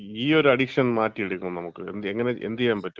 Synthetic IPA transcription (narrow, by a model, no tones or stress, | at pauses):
iːo̞ɾuɐɽikʂɐnmaːtːiiɽukʲːunːɐnɐmukːɨḛneŋːɐne̞ḛnd̪ijaːnpɐtːu